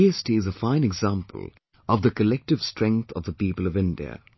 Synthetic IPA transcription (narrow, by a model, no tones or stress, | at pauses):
iɛstiɨzəfãɪ̃nɛɡzãmpʰə̰l̩ˠ | ʌvðəkəlɛk̚ʈɨv̥stɹ̥ɛ̃ŋk̚θʰʌvðəpiːpəlˠʌvɪ̃ndḭə̰